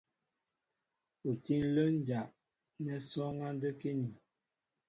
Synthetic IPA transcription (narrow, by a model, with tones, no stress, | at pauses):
u˨ti˦n˦lə˦n˦d͡ʒa˨ʔ | nɛ˨sɔ˦ŋa˦ndə˦ke˦ni˨